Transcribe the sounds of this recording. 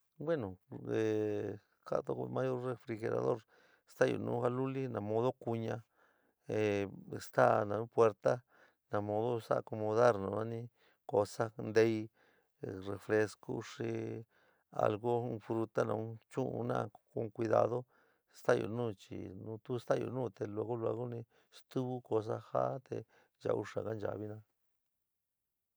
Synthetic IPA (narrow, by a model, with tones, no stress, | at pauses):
bwe˦nõ˨e˨ | ka̰˦t̪o˧mã˧jo˦ɾre˧fɾi˧xe˧ɾa̰˨ðo̰˦˨ɾ | st̪a˦jo̰˧˨nṵ̃ː˧˦ɣa˧lu˦li˦nã˧mõ˧ðo˦ku˧ɲã˧ | e˨˧st̪a˦nã˧nũ˧˦pwe˧ɾt̪a˦ | nã˧mõ˧ðo˦sa˦ʔko˧mõ˧ða˦ɾnũ˧˨nã˦˧nĩ˦ | ko˧sa˦nd̪e˧˦i˦ | re˧fɾe˧sko̰˦ʂi˧ | a̰˧lɣo˦ũ˧fɾu˧t̪a˦nã˧ũ˧˦t͡ʃũ˦ʔṵ̃˧nã̰˧kũ˧kʷi˧ða̰˧ðo˦ | st̪a˦˨jo̰˧˨nũː˦˨t͡ʃḭ˨nũ˧t̪u˦st̪a˦˨jo̰˧nũː˦˨t̪e˧lo˧ɣo˦lu˧a˧ɣo˦nĩ˧ | st̪u˦βu˦ko˧s̬a˦ha˦t̪ḛ˧ | ʒa̰˧u˧ʂa˨ka˦nd͡ʒa̰˨βi˦nãː˧